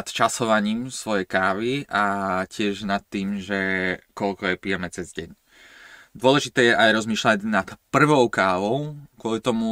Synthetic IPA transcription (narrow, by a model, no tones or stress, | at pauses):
at̪t͡ʃasɔʋaɲiːmsʋɔjɛjkaːʋiʔacɪɛʒnat̪ːiːmʒɛkɔlkɔjɛpijɛmɛt͡sɛzɟɛɲ | d̪ʊɔlɛʒit̪ɛːjɛʔajɾɔzmiːʃlaɟnat̪pr̩ʋɔʊkaːʋɔʊkʊɔlit̪ɔmu